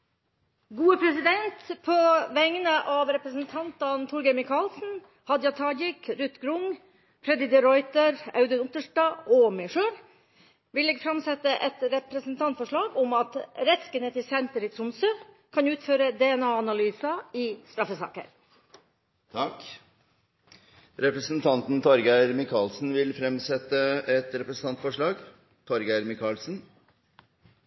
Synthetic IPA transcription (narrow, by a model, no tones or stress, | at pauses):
ɡuːəpʰɾɛsɪd̪ɛnt̪pʰɔʋæŋnəʔɑʋɾɛpɾəsnt̪ʰɑnt̪ɑnt̪ʰʊɾɡɛɪmɪkʰɑlsn̩ | hɑd̪jɑt̪ʰɑːɡɪkɾʉt̪ːɡɾʊŋ | pʰɾɛd̪ɪd̪ɪɾɔʏt̪əɾɑ̰ʉd̪ənʊt̪əʂʈɑːɔmɛɪʂøːɾ | ʋɪlːeːɡfɾɑmsɛt̪əʔɛt̪ɾɛpɾɛsnt̪ʰɑnt̪fɔʂɭɑːɡʊmɑt̪ɾɛt̪skənət̪ʰɪlsɛnt̪əɾɪt̪sʊmsə | kʰɑnʉːt̪føːɾəd̪ɛɛnɑːɑnɑlyːsɑɪst̪ɾɑfəsɑ̰ːkə̰ɾ | t̪ʰɑk | ɾɛpɾəsnt̪ʰɑnt̪nt̪ʰɔɾɡæɪɾmɪkʰɑːlsn̩ʋɪlfɾɛmsɛt̪əɛt̪ɾɛpɾəsən̩t̪ɑnt̪fɔʂɭɑːɡ | t̪ʰɔɾɡæɪɾmɪkʰɑːlsn̩